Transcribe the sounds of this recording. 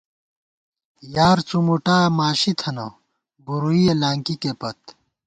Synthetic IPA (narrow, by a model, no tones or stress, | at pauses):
jaːɾt͡sumuʈaːmaːɕit̪ʰɐnɐ | ɡuɾuielaːŋkikepɐt̪